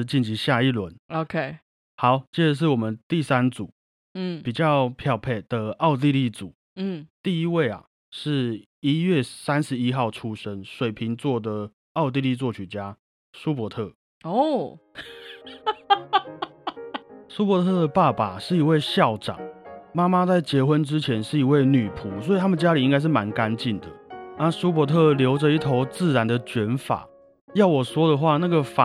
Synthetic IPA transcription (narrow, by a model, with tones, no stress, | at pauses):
t͡ɕi˥˩nt͡ɕʰi˨˧˦ɕja˥˧i˥˨lwə˧˦no˧kʰe˥˩ɪ | xɑ˨˦ʊt͡ɕjɛ˥˩ʈ͡ʂə˨ʂ̬ɻ̩˥˩wɔ˨˩mə˦nt̪i˥˨sa˦nt͡su˨˩˦ | pi˨˩t͡ɕjɑ˥˨ʊpʰjɑ˥˩ʊpʰe˥˩ɪd̪̥ə˨ɑ˥˧ʊt̪̬i˥˧li˥˩t͡su˨˩˦ | t̪i˥˧i˥we˥˨ɪa̰˩ | ʂɻ̩˥˧ | i˦ɥɛ˥˩sa˦nʂɻ̩˨˧i˦˥xɑ˥˨ʊʈ͡ʂʰu˦ʂə˦nʂwe˨˩ɪpʰi˨˦ŋt͡swɔ˥˩d̪ə˩ | ɑ˥˧ʊt̪̬i˥˧li˥˧t͡swɔ˥˩t͡ɕʰy˨˩t͡ɕja˦ | su˦p̬wɔ˧˥t̪ʰɤ˥˩ | o˥˨ | su˥pwɔ˧˥t̪ʰɤ˥˩d̪ə˩pa˥˩pa˨˩ʂɻ̩˥˩i˧˥we˥˧ɪɕjɑ˥˩ʊʈ͡ʂɑ̰˨˩ŋma˦ma˦t͡sa˥˩ɪt͡ɕjɛ˧˥xwə˦nʈ͡ʂɻ̩˦t͡ɕʰjɛ˧˦nʂɻ̩˥˩i˧˥we˥˩ɪny˨˩pʰu˨˦swɔ˧˥i˨˩t̪ʰa˥mə˨t͡ɕja˦˥li˨˩i˦ŋka˥ɪʂ̬ɻ̩˥˩ma˨˧˦nka˦nt͡ɕi˥˩nd̪ə˩na˥˧su˥p̬wɔ˧˦t̪ʰɤ˥˩ljo˧˥ʊʈ͡ʂə˨i˥˩t̪ʰo˧˥ʊt͡sɹ̩˥˩ɻa˧˦˥nd̪ə˨t͡ɕɥɛ˧˥nfa̰˨˩˦ | jɑ˥˩ʊwɔ˨˩swɔ˥d̪ə˨xwa˥˧na˥˩ɡə˩fa˨